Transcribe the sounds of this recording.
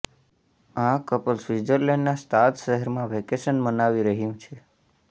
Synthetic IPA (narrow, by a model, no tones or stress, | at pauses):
ãkəpəlsʋid͡ʒəɾleɳɖnast̪ʰat̪ʃəɦəɾmãʋekesənmənaʋiɾəɦjũt͡ʃʰe